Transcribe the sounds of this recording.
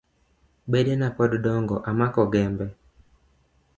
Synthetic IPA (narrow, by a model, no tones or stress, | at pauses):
bedenapɔddɔŋɡɔʔamakɔɡɛmbɛ